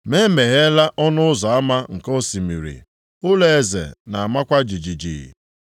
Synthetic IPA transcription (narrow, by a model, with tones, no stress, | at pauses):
me˦me˨ɣe˦la˦ʔɔ˦nʊ˦ʊ˦zɔ˨a˦ma˦ŋ̩˨ko˦si˨mi˨ɾḭ˨ | ʊ˦le˦e˨zḛ˨na˨a˨ma˦kʷa˦d͡ʒi˨d͡ʒi˨d͡ʒḭ˨